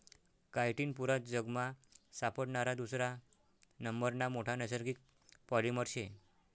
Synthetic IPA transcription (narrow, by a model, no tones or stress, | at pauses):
kajʈiːnpuɾat̪̚d͡zəɡmasapəɽɳaɾad̪usɾa | nəmbəɾnamoʈʰanəsəɾɡiːk̚ | pɔliməɾɕe